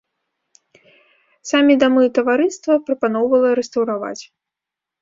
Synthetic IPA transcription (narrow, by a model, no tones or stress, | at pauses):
samʲid̪amɨt̪ɐvaɾɨst̪vɐpɾɐpanɔwvɐlˠɐɾɛst̪ɐwɾava̰t͡sʲ